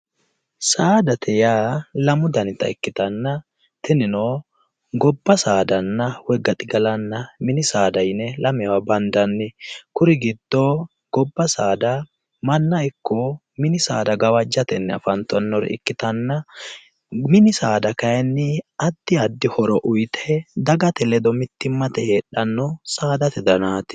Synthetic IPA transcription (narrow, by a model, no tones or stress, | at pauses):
saːd̪ɐt̪ʰɛjaːlɐmʊd̪ɐnɪt̪ːɐ̰ɪkːɪt̪ɐnːɐ | t̪ɛnɪnoː | ɡɔbːɐsaːd̪ɐnːɐwɛɡɐt̪ʼɪɡɐlɐnːɐmɪnɪsaːd̪ɐjnɛlɐmɛwabɐnd̪ɐnːɪkʊɾɪɡɪd̪̥ːoː | ɡ̥ɔbːɐsaːd̪ɐ | mɐnːɐjkːɔ | mɪnɪsaːd̪ɐɡɐwɐd͡ʒːɐt̪ɛnːɛɐ̰fɐnt̪ːɔnːɔɾ̰ɪ̰kːɪt̪ɐnːɐ | mɪnɪsaːd̪ɐkɐjɛnːɪɐd̪̥ːɪɐd̪ːɪhɔɾɔʔʊjt̪ʰɛd̪ɐɡɐt̪ɛlɛd̪ɔmɪt̪ːɪmːɐt̪ɛheːᶑɐnːɔsaːd̪ɐt̪ɛd̪ɐnaːt̪ɪ̥